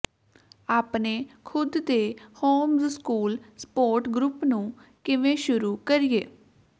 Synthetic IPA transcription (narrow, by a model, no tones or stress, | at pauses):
aːpneːkʰʊd̪d̪eːhoːmzskuːlspoːɾʈɡɾʊpnũːkɪʋẽːʃʊɾuːkəɾɪjeː